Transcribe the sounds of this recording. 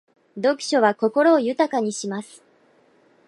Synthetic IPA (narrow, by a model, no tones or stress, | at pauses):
d̪o̞kɯ̟̥ɕo̞βako̞ko̞ɾo̞ːjɯ̟t̪akaɲ̟iɕimasɨ̥